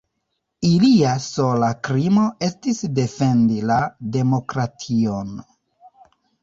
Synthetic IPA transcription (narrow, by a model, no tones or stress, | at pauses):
iliaso̞lakɾimo̞e̞stisde̞fe̞ndilade̞mo̞kɾatʰion